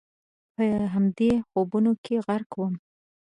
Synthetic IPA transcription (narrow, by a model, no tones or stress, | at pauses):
pəɦamd̪exobunokʰeɣaɾkwəm